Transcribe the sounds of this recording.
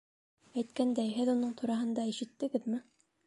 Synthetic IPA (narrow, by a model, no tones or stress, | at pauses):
æjt̪̚kænd̪æjɦɘðunɤɴt̪ʰuɾɑɦɤ̆nd̪ɑiʃɘ̆t̪ːɘ̆ɡɘðmɘ